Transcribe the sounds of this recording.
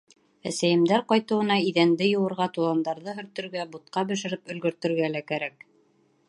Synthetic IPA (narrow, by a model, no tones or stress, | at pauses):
æsæjɘ̆md̪æɾqɑjt̪ɤ̆wɤ̆nɑiðænd̪ɘjŏwɤ̆ɾʁɑt̪ulˠɑnd̪ɑɾðɤɦɵ̆ɾt̪ɵ̆ɾɡæbut̪̚qɑbɵ̆ʃɘ̆ɾɘpɵ̆lɡɵ̆ɾt̪ɵ̆ɾɡælækæɾæk̚